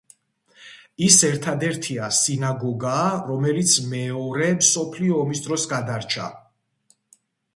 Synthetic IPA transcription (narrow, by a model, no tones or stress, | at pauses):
isɛɾt̪ʰad̪ɛɾt̪ʰiasinaɡɔɡaːɾɔmɛlit̪sʰmɛɔɾɛmsɔpʰliɔːmisd̪ɾɔsɡad̪aɾt͡ʃʰa̰